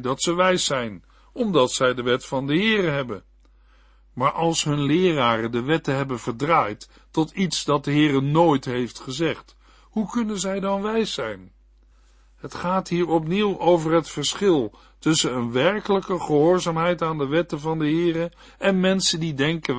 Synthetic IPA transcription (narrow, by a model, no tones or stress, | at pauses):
dɑtsəʋɛjsɛjn | ɔmdɑtsɛjdəʋɛtfɑndəɦɪːrəɦɛbən | maːɹʔɑlˠsɦɵnlɪːraːrəndəʋɛtəɦɛbənvəɹdraːjt | tɔtitsdɑt̚dəɦɪːrənoːjtɦejftχəzɛχt | hukɵnənzɛjdɑnʋɛjsːɛjn | ɦətχaːtɦiːɹɔp̬niwʔowvəɹɦətfəɹsχɪlˠ | tɵsənənʋɛɹkələkəχəɦʊːɹzaːmɦɛjtaːndəʋɛtəvɑndəɦɪːrə | ʔɛnmɛnsəndidɛŋkə